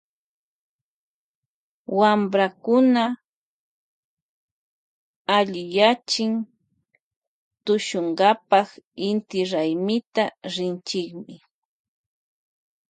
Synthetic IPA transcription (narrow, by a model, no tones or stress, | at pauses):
wambɾakʊna | t̪aʎɪjat͡ʃɪŋ | t̪ʊʃoɴɢɑpɑχɪnt̪ɪɾajmɪt̪aɾɪnt͡ʃɪkmɪ